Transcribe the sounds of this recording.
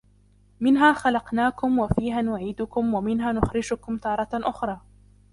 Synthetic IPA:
mɪnɦaːxalɑqnaːkʊmwafiːɦaːnʊʕiːd̪ʊkʊmwamɪnɦaːnʊxɾɪd͡ʒʊkʊmt̪ɑːɾˤɑʔʊxɾˤɑː

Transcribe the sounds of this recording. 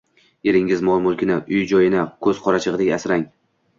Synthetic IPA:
e̞ɾɪŋɪzmɒlˠmʊlˠkʲʰɪnaʔʊjd͡ʒɒjɪnakʰɵzqʰɒɾat͡ʃʰɨʁɨd̪ekʲasɾaŋ

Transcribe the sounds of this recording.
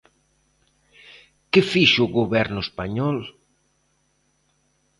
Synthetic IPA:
kɪfiʃʊɣoβɛɾnʊespaɲɔl

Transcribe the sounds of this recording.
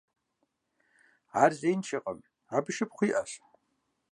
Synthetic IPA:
aːrzejnt͡ʃʰɐqʼə̰m | abɨʃɪpχʷiːʔɐɬ

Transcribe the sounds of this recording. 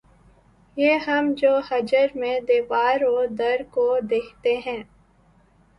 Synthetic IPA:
jeːɦɐmd͡ʒoːhɐd͡ʒəɾmẽd̪eːʋaːɾoːd̪ɐɾkod̪eːkʰt̪eɦɛ̃ː

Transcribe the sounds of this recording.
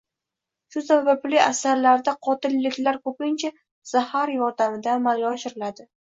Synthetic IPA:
ʃʊsabablɪasaɾlaɾd̪aqʰɒt̪ɪlːɪkʲlaɾkɵpɪnt͡ʃʰa | z̥ahaɾjɒɾd̪amɪd̪aːmalɡʲiɒʃɪɾɪlad̪ɪ

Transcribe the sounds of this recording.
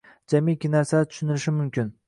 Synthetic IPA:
d͡ʒamikʲːɪnaɾsat̪ʰʊ̥ʃʊnɪlɪʃɪmʊmkʲɪn

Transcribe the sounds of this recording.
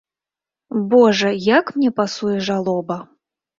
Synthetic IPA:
bɔʐɐjakmnʲɛpasujɛʐalˠɔbɐ

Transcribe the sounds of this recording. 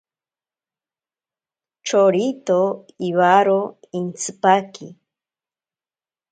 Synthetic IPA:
t͡ʃoɾit̪o | iβaɾo | int͡sɨpakḭ

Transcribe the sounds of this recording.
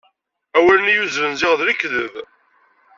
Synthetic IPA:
æwælənijuzɾənzɪʁðɾikːðəð

